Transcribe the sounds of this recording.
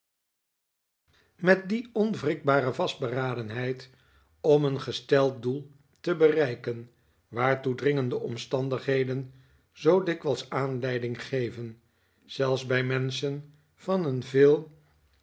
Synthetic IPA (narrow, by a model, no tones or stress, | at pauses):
mɛt̚diɔnvrɪk̚baːɾəvɑsd̚bəraːdənɦɛjt | ɔmənχəstɛlˠt̚dulˠ | təbərɛjkən | ʋaːɹtudrɪŋəndəʔɔmstɑndəχɦejdən | zowdɪkʋɛlˠsaːnlɛjdɪŋχejvən | z̥ɛlˠfszbɛjmɛnsən | v̥ɑnənvɪːlˠ